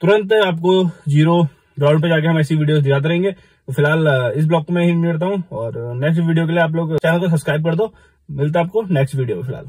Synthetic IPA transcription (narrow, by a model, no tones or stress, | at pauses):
t̪ʊɾə̃nt̪aːp̚kod͡ʒiːɾo | ɡɾaːʊɖp̬ed͡ʒaːk̬eɦɐmɛːsiʋiːɖijoːzd̪jaːd̪aɾɐɦẽːŋɡeː | t̪ofɪlɦaːlɪs̬blɔːkkomẽɦimɪlt̪̬aːɦũɔːɾnɛːksʈʋiːɖijok̬elieaːp̬loːɡt͡ʃɛːnəkos̬ɐbskɾaːɪb̚kɐɾd̪oː | mɪlt̪aaːp̚koneːksʈʋiːɖijo̰fɪlɦa̰ːl